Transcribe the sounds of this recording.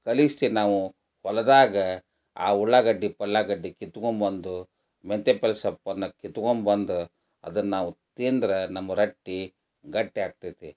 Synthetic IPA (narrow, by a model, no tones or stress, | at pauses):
kɐlist̪inaːʋu | hɔlɐd̪aːɡɐ | a̰ːuɭːaɡɐɖːipɐɭːaɡɐɖːikit̪ːukombɐnd̪u | ment̪epelsɐpːɐnːɐkit̪ukombɐnd̪u | ɐ̰d̪ɐnnaːʋut̪eːnd̪ɾɐnɐmːɐɾɐʈːi | ɡɐʈːiaːɡ̚t̪ɐd̪e